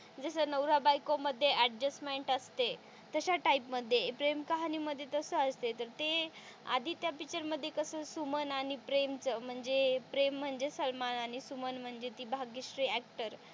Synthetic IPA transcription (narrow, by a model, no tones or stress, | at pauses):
d͡zəsənəwɾabajkoməd̪ʱːjeʔæɖd͡ʑəsmeɳʈəst̪e | t̪əɕaʈaipməd̪ʱjepɾemkaɦaniməd̪ʱːjet̪əsəəst̪et̪əɾt̪e | a̰d̪ʱiːt̪japit͡ɕəɾməd̪ʱːjekəsəsumənaɽ̃ipɾemt͡səm̤əɳd͡zepɾem̤ːəɳd͡zesəlmanaɽ̃isumənm̤əɳd͡zet̪iːbʱaɡisɾiːæk̚ʈəɾ